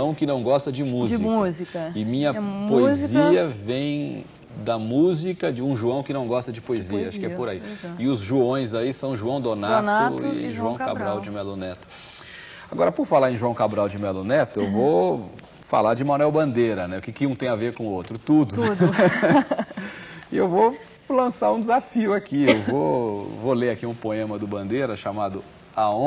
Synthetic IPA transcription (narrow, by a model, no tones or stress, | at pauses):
ɐ̃w̃kɪnɐ̃w̃ɡɔst̪ɐd͡ʒɪmũzikuzikɐɪmĩɲɐpoezziɐvẽj̃ | d̪ɐmuzikɐd͡ʒɪũʒuɐ̃w̃kɪnɐ̃w̃ɡɔst̪ɐd͡ʒɪpoeziɐaʃʊkɪɛɛpʊɾaiɪʊzʒuõj̃zaisɐ̃w̃ʒuɐ̃w̃d̪onanʊɪ̰ʒuɐ̃w̃ka̰bɾawd͡ʒɪmɛlonɛt̪ʊ̥ | aɡɔɾɐpʊɾfalaɾẽj̃ʒuɐ̃w̃kabɾawd͡ʒɪmɛlonɛt̪ʊewvo | fa̰laɾd͡ʒɪmɐ̃nɛwbɐ̃nd̪eɾɐnɛʊkɪkɪũt̪ẽj̃aveɾkõʊot̪ɾʊt̪ud̪ʊ | ɪewvo | lɐ̃saɾũd͡ʒɪzafiʊakiewvovoleɾakiũpoẽmɐd̪ʊbɐ̃nd̪eɾɐʃamad̪ʊ | aõ